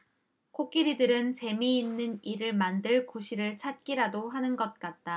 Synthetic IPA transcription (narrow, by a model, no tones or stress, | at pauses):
kʰok͈iɾidɯɾɯnt͡ɕe̞miːnːɯniɾɯɭmandɯɭkoɕʰiɾɯɭt͡ɕʰat̚k͈iɾadoɦanɯnɡʌt̚k͈at̚t͈a